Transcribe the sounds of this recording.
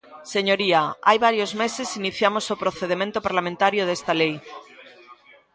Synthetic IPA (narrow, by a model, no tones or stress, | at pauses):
seɲoɾiaajβaɾjozme̞se̞siniθjamosopɾoθeð̞emẽnt̪opaɾlamẽnt̪aɾjoðest̪alej